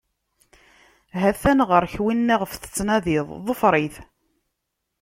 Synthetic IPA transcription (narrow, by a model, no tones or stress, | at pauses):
ɦæθænʁəɾçwinːiʁəfθə̥t͡sːnæðiðˤðˤəfɾˤiθ